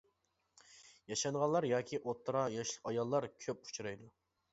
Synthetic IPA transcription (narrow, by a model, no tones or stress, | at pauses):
jɑʃɑŋʁɑlˠːɑɾjɑːkʲʰiʔot̪ʰːɾɑjɑʃlˠəqɑjɑlˠːɑɾkʲʰøpu̥t͡ʃʰuɾɑjd̪u